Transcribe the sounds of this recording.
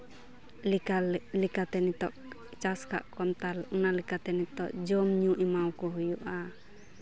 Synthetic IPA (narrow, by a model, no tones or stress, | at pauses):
alikat̪ɛnit̪ɔʔ | t͡ʃaska̰ʔkɔnt̪alunalɛkat̪ɛnit̪ɔʔd͡ʒɔmɲũʔimawkɔɦujuʔa